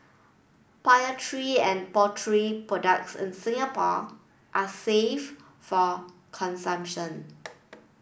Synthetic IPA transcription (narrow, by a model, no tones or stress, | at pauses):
pajətʰɹiɛ̃npɔtʰɹipɹɔdak̚sɪ̰̃nsɪ̃ŋapɔ | ʔasef | fɔ | kʰɔ̃nsãmpʃɔ̃n